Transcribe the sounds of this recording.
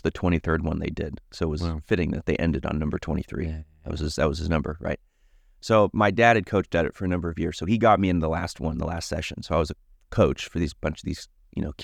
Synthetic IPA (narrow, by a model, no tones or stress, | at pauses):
ðɨtʰw̥ɛ̃ɾ̃iθɜ˞d̚wʌ̃nðḛɪdɪd̥soʊət̚wʌzfɪɾɪ̃ŋðɨ̰t̪̚ðeɪʔɛ̰̃ndɨɾn̩nʌ̃mbə˞tʰɛ̰̃ɾ̃iθɹḭðɨ̰ʔ̚wʌ̰z̥ɨzðɨt̚wʌz̥ɨznʌ̃mbə̰˞ɹa̰ɪt̚ | soʊmaɪdæd̚ɨd̚kʰoʊt͡ʃtɨɾɨ̰tfə˞ɨnʌ̃mbə˞ʌvjɪɹz̥soʊiɡɑt̚miɨ̃nðəlæst̚wʌ̰̃nn̩ðə̰læstsɛ̰ʃɨ̃nsoʊaɪwʌzɨ | kʰoʊt͡ʃfə˞ðizb̥ʌ̃nt͡ʃʌvðiz̥ | jɨ̰noʊ